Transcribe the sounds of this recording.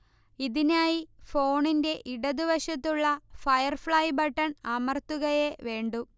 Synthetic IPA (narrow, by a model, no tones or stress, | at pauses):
iðinaːjifo̞ːɳinde̞ʔiɽɐd̪uʋɐɕɐt̪ːuɭːɐfɐjɐrfɭɐjbɐʈːɐɳɐmɐrt̪ːuɣɐjeʋe̞ːɳɖu